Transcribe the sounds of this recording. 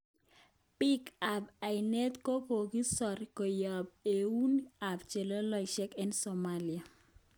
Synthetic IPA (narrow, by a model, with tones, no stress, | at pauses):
pɪ˦ka˨ba˨ɪ˨ne˦t̪ko˦po˨ɡi˦sɔ˨ɾi˨ko˨jɔ˨b̚e˨u˦na˨bt͡ʃe˨lo˦lɔ˦i˨ʃɛ˦kɛ˦nso˨ma˦li˨a˨